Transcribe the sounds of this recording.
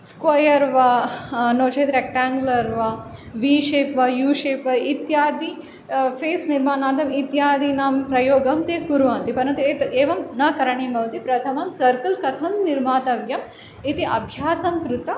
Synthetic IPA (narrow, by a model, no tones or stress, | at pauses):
skʋɐjɐɾʋɐnoːt͡ʃeːt̪ɾek̚ʈaːŋɡlɐɾʋɐʋiːʃeːpʋɐjuːʃeːpʋɐit̪jaːd̪i | feːsniɾmaːnaːnd̪ɐmit̪jaːd̪inaːmpɾɐjoːɡɐmt̪eːɡuɾʋaːnt̪ipɐɾɐnt̪ueːt̪eːʋɐmnɐkɐɾɐɳeːmɐʋt̪ipɾɐt̪ʰɐmɐmsɐɾkɐlkɐt̪ʰɐmniɾmaːt̪ɐʋjɐm | it̪iʔɐbʱjaːsɐmkɾut̪ɐ